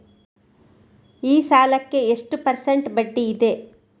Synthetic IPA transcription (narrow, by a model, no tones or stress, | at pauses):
iːsaːlɐkːe̞eʂʈupɐɾseɳʈbɐɖːiːd̪e̞